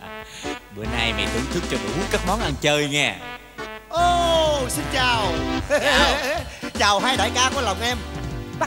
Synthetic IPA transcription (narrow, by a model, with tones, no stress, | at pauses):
ɓɨ˨˧˩əna˧jmɛ̰˧˨˩ɗ̪ɨ̰˧˦ŋt̪ʰɨ˦˥k̚t͡ɕɔ˧ɗḭ˨˧˩ʔu˦˥kaː˦˥k̚mɔ˨˦nʔa˧nt͡ɕəː˧jŋɛ˧˩ | ʔoː˨˩si˧nt͡ɕaː˨˩w | t͡ɕaː˨˩whaː˧jɗa̰˧˨˩jkaː˧ku˧˩ə˦la˨˩wŋ͡mʔɛ˧mɓa˦˥